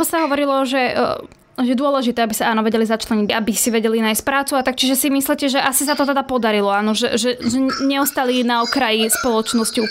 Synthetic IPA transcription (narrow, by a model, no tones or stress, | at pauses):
ɔsaɦɔʋɔɾilɔʒɛ | ʒɛjɛd̪ʊɔlɛʒit̪ɛːabisaaːnɔʋɛɟɛlizat͡ʃlɛɲiɟabisiʋɛɟɛlinajsʲc̚pɾaːt͡suat̪akt͡ʃiʒɛsimislicɛʒɛʔasisat̪ɔt̪ɛd̪apɔd̪aɾilɔaːnɔʒɛ̰ʒɛʒɛɲɛɔst̪alinaɔkɾajispɔlɔt͡ʃnɔscu